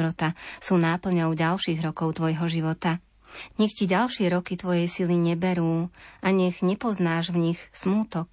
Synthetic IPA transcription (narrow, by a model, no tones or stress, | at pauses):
ɾɔt̪asuːnapl̩ɲɔʊɟalʃiːɣɾɔkɔʊt̪ʋɔjɦɔʒiʋɔt̪a | ɲɛxciɟalʃɪɛɾɔkit̪ʋɔjɛjsiliɲɛbɛɾuːʔaɲɛɣɲɛpɔznaːʒvɲixsmuːt̪ɔk̚